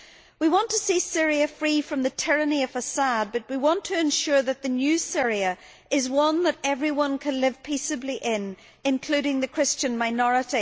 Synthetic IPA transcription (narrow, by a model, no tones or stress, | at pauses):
wiwɑ̃ntʰəsisɪɹiɨfɹifɹʌ̃mðɨtʰɪɹɨniʌv̥əsad̚bʌt̚wiwɑ̃ntʰɨɨ̃nʃʊɹðɨt̪̚ðɨnjʉsɪɹiɨ | ɪzwʌ̃nðəɾɛvɹiwʌ̃nkʰɨ̃nlɪv̥pʰisɨbliʔɪ̃n | ɨ̃nkʰl̥ʉɾɪ̃ŋðɨkʰɹ̥ɪst͡ʃɨ̃nmaɪnɔɹɨɾi